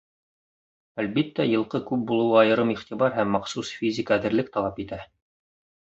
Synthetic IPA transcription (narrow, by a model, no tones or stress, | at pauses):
ælβit̪ːæjɤ̆lˠqɤkʉp̚bulˠɤ̆wɑɑjɤ̆ɾɤmiχt̪iβɑɾɦæmːɑqsusfʲizʲɪkaːðɘ̆ɾlɘk̚t̪ɑlˠɑpit̪æ